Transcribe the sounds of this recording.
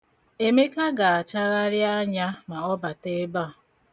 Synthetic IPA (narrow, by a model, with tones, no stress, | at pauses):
e˨me˦ka˦ɡa˨a˨t͡ʃa˦ɣa˦ɾja˦ɲa˦ma˨ɔ˦ba˨te˦ba˦˨